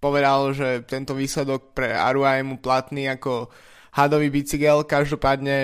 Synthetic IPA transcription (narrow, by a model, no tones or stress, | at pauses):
pɔʋɛd̪alʒɛt̪ɛnt̪ɔʋiːslɛd̪ɔk̚pɾɛa̰ɾuajɛmuplat̪niːakɔ | had̪ɔʋiːbit͡siɡɛlkaʒd̪ɔpaːd̪ɲɛ